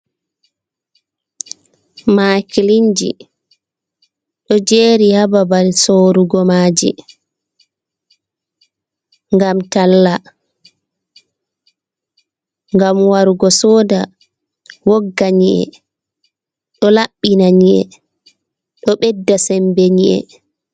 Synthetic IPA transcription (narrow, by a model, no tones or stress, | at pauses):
makiliɲd͡ʒḭ | ɗɔd͡ʒeːɾihababalsoɾuɡɔmaːd͡ʒḭ | ŋɡamtalːa | ŋɡamwaɾuɡɔsɔːda | woɡːaɲiʔɛ̰ | ɗɔlaɓːinaɲiʔɛ̰ | ɗɔɓɛdːasɛmbɛɲiʔɛ̰